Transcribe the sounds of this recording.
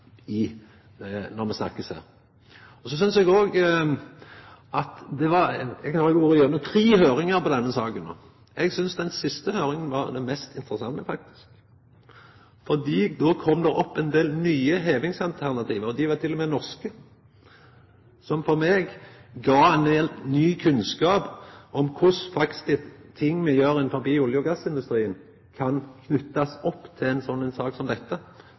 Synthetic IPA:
ɪ | nɔɾmɛsnɑ̰kːəshæ̰ːɾ | ɔsɔs̬ʏnsɛɡoːɡ | ʔɑt̪d̪ɛʋɑɾɛɡʰɑhɑlɛɡuːɾəjøːɾnʊt̪ʰɾiːɦøːɾɪŋəɾpɔd̪ɛnːəsɑːkəno̰ː | ɛɡsʏnsd̪ɛnsɪst̪əhøːɾɪŋənʋɑɾd̪ɛnmɛst̪ɪnt̪ɾəsɑŋːəfɑk̚t̪ɪ̥sk | fɔd̪iːd̪oːkʰɔmd̪ɛɾɔpːɛnd̪eːlnyːəɦeːʋɪŋsɑlt̪ʰæʁnɑt̪ʰiːʋəʁɔd̪ɪʋɑt̪ʰɪlːɔmɛnɔʁskə | sɔmfɔɾmeːɡɡɑːɛnd̪elt̪nyːkʰʉnskɑːpɔmkʰʊsfɑktst̪ɪt̪ʰɪŋːmɛjøːɾɛnfɔbiːʊljʊɡɑsːɪnd̪ʉst̪ɾiːən | kʰɑnkʰnʉt̪ːɑsɔpːt̪ʰɪɛɪnsɔnːɛnsɑːksɔmd̪ɛt̪ːə

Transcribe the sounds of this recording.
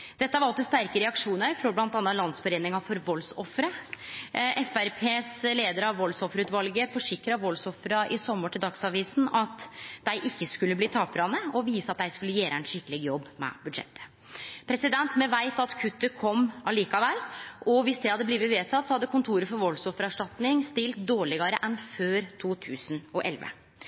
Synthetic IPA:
d̪̥ɛt̪ːəɑʋɑlt̪ɔst̪æɾkəɾɛɑkʂuːnəɾfɾɔblɑnt̪ɑnɑlɑnsfɔɾeːnɪŋɑfɔɾʋɔlsɔfɾə | ʔɛfæɾpʰeːsleːd̪əɾəɑʋʋɔlsɔfɾʉːt̪ʋɑlɡəfɔʂɪkɾɑʋɔlsɔfɾɑʔɪsɔməʈʰɪld̪ɑksɑːʋiːsn̩ɑt̪d̪̥æɪʔɪçːəskʉlːəbliːt̪ʰɑːpɾɑnəɔʋiːsəɑt̪̚d̪æɪskʉlːəjæːɾʔəænʃɪkːəlɪɡjɔbːmɛ̰bʉd̪ʂɛ̰t̪ʰːə̥ | pʰɾɛsɪd̪ɛnt̪mɛʋæɪt̪ɑt̪kʰʉt̪ːəkʰɔmːɑliːkɑʋɛlːʔɔʋɪsd̪ɛhɑd̪ːəbliːʋət̪ʋeːt̪ʰɑt̪ːsɔhɑd̪ːəkʊnt̪ʰuːɾəfɔɾʋɔlsɔfɾɑʂʈɑt̪nɪŋst̪ɪlt̪̚d̪oːɭɪɡɑɾəʔɛnføːɾt̪ʰuːt̪ʰʉːsnɔʔɛ̰lʋə̰

